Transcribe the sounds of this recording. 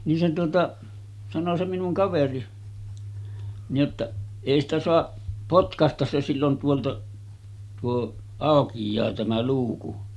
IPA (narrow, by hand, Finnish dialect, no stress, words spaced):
nin se tuotɑ sɑno se minuŋ kɑʋeri nij jotːɑʔ eˑi stæ soɑʔ potkɑstɑs se silːon tuoltɑʔ tuo ɑˑokijˑɑː tæmæ luːku